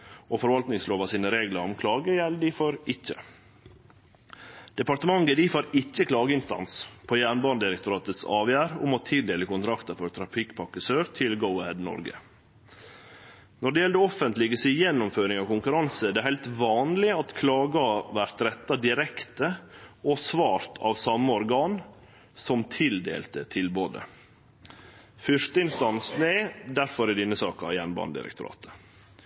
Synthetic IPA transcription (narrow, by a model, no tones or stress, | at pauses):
ofɔɾʋɑlt̪nɪŋsloːʋɑsiːnəɾeːɡləɾɔmkʰlɑːɡəjɛlːəd̪ɪfɔɾɪçːə | d̪̥ɛpɑɾt̪əmɑŋɡəd̪ifoːɾɪçːəkʰlɑːɡəɪnst̪ɑ̰nspʰoːjæːɳbɑnd̪ɪɾək̚t̪ʊɾɑːt̪ət̪sɑ̰ːʋjæːɾʊ̰mɔt̪ʰɪld̪eːləkʊnt̪ʰɾɑkt̪əfɔɾt̪ʰɾɑfɪkpʰɑkːəsøːɾt̪ʰɪlɡəʊhɛd̪nɔ̰ɾɡə̰ | nɔɖɛjɛld̪əɔfənt̪lɪɡəsɪjɛnːɔmføːɾɪŋɑʋkʊŋkʉɾɑnsəd̪ɛæɾhæɪlt̪ʋɑːnlɪɑt̪kʰlɑːɡɑʋæɾt̪ɾɛt̪ːɑd̪ɪɾɛkt̪əɔsʋɑːɾt̪ʰɑ̰ʋsɑmːəɔɾɡɑːn | sɔmt̪ʰɪld̪ḛːlt̪ət̪ʰɪlboːd̪ə̰ | fœʂtəɪnst̪ɑnsnɛɪd̪æɾfɔɾɪd̪ɪnːəsɑːkɑ̰jænbɑ̰nd̪ɪ̰ɾə̰k̚t̪ʊɾɑ̰ːt̪ə̥